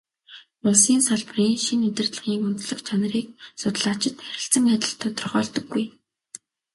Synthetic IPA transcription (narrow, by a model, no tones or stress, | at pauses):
pʊsiːnsaɮp̆riːŋʃinmet̪ɘ̆rt̪ɮə̆ʁiːŋʊnt̪ɮə̆χt͡ɕʰanəriːk̚sʊt̪ə̆ɮaːt͡ɕɪ̆t̪xæɾʲɪ̆ɬt͡sə̆ŋæt̪ʲɪ̆ɬt̪ʰɔt̪ɞ̆rχɔːɮt̪ɞ̆ɡːuj